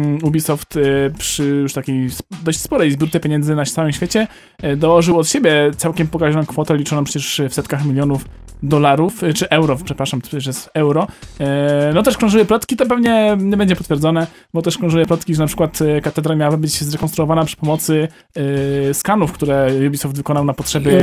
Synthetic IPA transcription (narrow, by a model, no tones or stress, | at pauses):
ubʲisɔft̪pʂɘjuʂt̪akʲejsd̪ɔɕt͡ɕʲspɔɾɛjzbʲuɾt̪ɛpʲjeɲɛnzɘnat̪sawɘmɕfʲet͡ɕɛ | d̪ɔwɔʐɨwɔt̪ɕebʲjɛt̪sawkʲɛmpɔkaʒɔnɔ̃w̃kfɔt̪ɛlʲit͡ʂɔnɔ̃mpʂɛt͡ɕɛʂfsɛt̪kaxmʲilʲjɔnuf | d̪ɔlaɾuft͡ʂɨʔɛwɾɔpʂɛpɾaʂamʰɛt͡ɕɛʂɛsɛwɾɔ | nɔt̪ɛʂkɾɔ̃ʐujɛplɔt̪kʲit̪ɔp̬ɛvɲɛɲɛbɛɲd͡ʑɛpɔt̪fʲjɛɾd̪zɔnɛ | bɔt̪ɛʂkɾɔ̃ʐujɛplɔt̪kʲiʐɛnapʂɘkwat̪kat̪ɛd̪ɾamʲjawabɘbɘd͡ʑzɾɛkɔnst̪ɾuɔvanapʂɘ̥pɔmɔt̪sɘ | skanufkt̪uɾɛjubʲisɔfd̪vɘkɔnawnapɔtʂɛbʲɘ